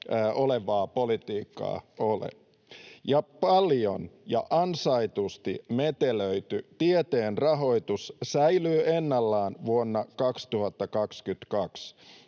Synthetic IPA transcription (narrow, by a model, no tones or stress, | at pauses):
ʔoleʋɑːpo̞lit̪iːkːɑ̰ːolḛ | jɑpɑljonjɑ̰ʔɑnsɑit̪ust̪ime̞t̪eløit̪yt̪iet̪eːnrɑɦo̞it̪ussæjlyːʔenːɑlːɑːnʋuonːɑkɑkst̪uhɑt̪ːɑkɑkskyt̪kɑks